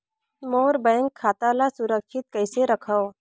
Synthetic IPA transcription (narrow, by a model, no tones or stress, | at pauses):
moːɾbə̃jŋkʰːaːt̪alasʊɾəkʃɪt̪̚kɐɪseɾɐkʰəo